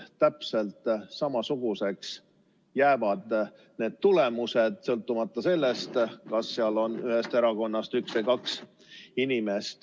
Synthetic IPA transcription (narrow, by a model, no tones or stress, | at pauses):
t̪æpse̞lt̪ˑsɑmɑsuɡ̥use̞ks | jæːvɑd̪̥ | ne̞ːd̪̥̚t̪ule̞muse̞d̪̥sɤlt̪ːˑumɑt̪ːˑɑse̞lːest̪kɑsːeɑlo̞nyhe̞st̪e̞ɾɑko̞nːɑst̪yksejkɑks | inime̞st̪